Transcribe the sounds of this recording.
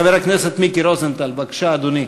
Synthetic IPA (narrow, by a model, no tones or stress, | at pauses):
ɐʋeɾɐknesɐt̪mikiɾoːzɐnt̪ɐlbɐkʃad̪uni